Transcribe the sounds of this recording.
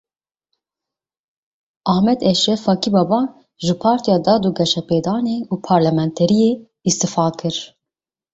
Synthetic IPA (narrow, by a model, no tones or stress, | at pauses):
ʔɑhmɛd̪ɛʃɛfɑːkibɑbɑː | ʒɨpʰɑːɾt̪ijɑːd̪ɑːd̪uɡɛʃɛpeːd̪ɑːneuːpʰɑːɾlɛmɛnt̪ʰɛɾije | ist̪ɨfɑːkʰɨɾ